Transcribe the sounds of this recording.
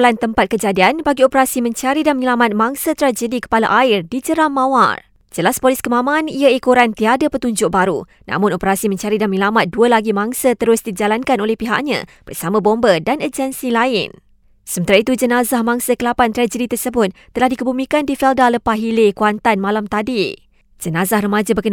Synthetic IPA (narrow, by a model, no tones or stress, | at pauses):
lant̪əmpat̪̚kəd͡ʒadianbaɡiopəɾasimə̃ɲt͡ʃaɾidanməɲəlamat̪̚mãŋsət̪ɾad͡ʒədikə̥palaʔaɪrdid͡ʒəɾamːãwa̰r | d͡ʒəlaspolɪskəmãmaniaikoɾant̪iadapət̪uɲd͡ʒʊʔ̚baɾu | nã̰mʊ̃nopəɾasimə̃ɲt͡ʃaɾidanməɲəlamat̪̚duəlaɡimãŋsət̪əɾʊsdid͡ʒalankanolɛhpiɦa̰ʔɲã̰b̥ərsamãbombədanəd͡ʒənsilaɪ̰n | səmənt̪aɾait̪ud͡ʒənazahmãŋsəkəlapant̪ɾad͡ʒədit̪ərsəbʊt̪̚ːəlahdikəbumĩkandifɛldaləpahɦilekuant̪anmalamt̪adi | d͡ʒənazahrəmad͡ʒabəkən